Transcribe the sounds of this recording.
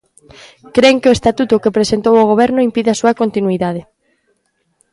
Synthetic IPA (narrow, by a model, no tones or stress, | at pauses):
kɾeŋkeoest̪at̪ut̪ʊkepɾesent̪owoɣ̞oβ̞ɛɾnʊimpiðeasuɐkont̪inwiðað̞ɪ